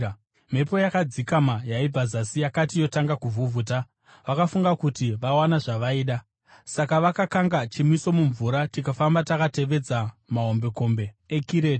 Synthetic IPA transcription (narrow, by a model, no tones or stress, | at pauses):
m̤e̞po̞jakad͡zikamajaib͡vazasijakatijo̞taŋɡakuvuvʱuːt̬a | ʋakafuŋɡakutiʋawanaʐaʋaiːɗa | sakaʋakakaŋɡat͡ʃimwiso̞muɱvuɾatikafambatakate̞ʋe̞d͡zamaɦo̞mbe̞ko̞mbe̞ekiɾe̞ːti̥